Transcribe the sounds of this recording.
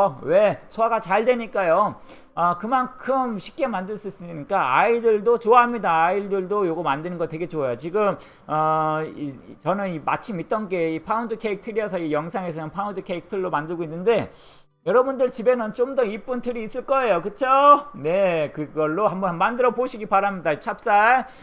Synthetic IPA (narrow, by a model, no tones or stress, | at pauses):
ʌwe̞sʰowaɡat͡ɕaɭdwe̞ɲik͈ajo | ʌkɯmankʰɯmɕʰi̥p̚k͈e̞mandɯɭs͈uis͈ɯɲik͈aa̰idɯɭdot͡ɕoaɦamɲidaːiɭdɯɭdojoɡomandɯnɯnɡʌtwe̞ɡe̞t͡ɕoajot͡ɕiɡɯm | ʌit͡ɕʌnɯnima̰t͡ɕʰimit͈̚ʌnɡe̞ipʰaundɯkʰe̞ik̚tʰɯɾiʌsʰʌijʌŋsʰaŋe̞s̬ʰʌnɯnpʰaundɯkʰeik̚tʰɯɭːomandɯɭɡoinːɯnde̞ | jʌɾʌbundɯɭt͡ɕibe̞nɯnt͡ɕomdʌip͈untʰɯɾiːs͈ɯɭk͈ʌe̞jokɯt͡ɕʰone̞kɯɡʌɭːohambʌnmandɯɾʌboɕʰiɡipaɾamɲidait͡ɕʰap̚s͈a